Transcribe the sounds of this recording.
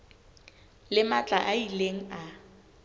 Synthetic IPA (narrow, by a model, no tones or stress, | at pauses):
lɪmat͡ɬʼaʔaileŋ̩a